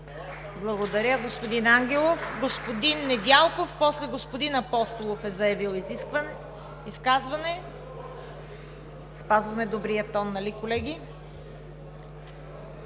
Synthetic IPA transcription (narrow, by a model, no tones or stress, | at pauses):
blˠɐɡod̪ɐɾʲəɡospod̪inaŋɡʲɛlˠofɡospod̪inːɛd̪ʲalˠkofpɔslɛɡospod̪inɐpɔst̪olˠofɛzɐjɐvilˠizi | iskazvɐnɛ | spazvɐmɛd̪obɾijət̪ɔnːɐlikolɛɡʲi